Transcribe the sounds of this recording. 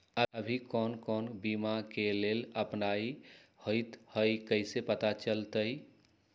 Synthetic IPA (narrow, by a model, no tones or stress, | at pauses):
əəbʱikɔnkɔnbimakeleləpnaihojt̪həjkəsepət̪at͡ʃəlt̪əj